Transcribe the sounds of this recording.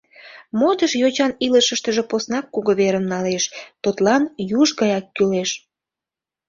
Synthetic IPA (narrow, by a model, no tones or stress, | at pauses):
mot̪əʃjot͡ɕɑniləʃəʃt̪əʒeposnɑkːuɣoβeɾəmnɑleʃt̪ut̪lɑnjuʒɣɑjɑkːyleʃ